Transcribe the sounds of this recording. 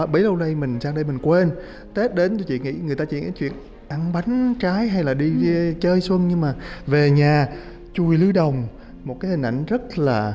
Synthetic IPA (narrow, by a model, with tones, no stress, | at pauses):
ɓə˨˦jlə˧wɗə˧jmï˨˩ŋ̟saː˧ŋɗə˧jmï˨˩ŋ̟kwe˧n | t̪e˦˥t̚ɗe˨˦nt̪u˧jt͡ɕḭ˧˨ŋḭ˧˥ŋɨ˨˩əjt̪aː˧t͡ɕḭ˧˨ŋḭ˧˦jt͡ɕwḭ˧˨ən | ʔa˧ŋɓa˨˦jŋ̟t͡ɕaː˨˦jɦa˧jlaː˨˩ɗi˧t͡ɕəː˧jswə˧nɲɨ˧ŋmaː˨˩ve˨˩ɲaː˨˩ | t͡ɕu˧˩jlɨ˨˦ɗə˨˩wŋ͡m | mo˨˩t̚kaː˨˦hi˨˩ŋ̟ʔa̰˧jŋ̟zə˦˥t̚laː˨˩